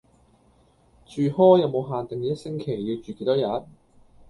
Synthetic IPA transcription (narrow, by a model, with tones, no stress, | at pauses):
t͡ʃyː˨˧hɔː˥jɐ˨˧wmo˨˧wɦaː˨nt̪ɪ˨ŋiː˨˥jɐ˥t̚sɪ˥ŋkʰe˨˩jːi˧wt͡ʃyː˨ke˧˥jt̪ɔː˥jɐ˨˧˥n̚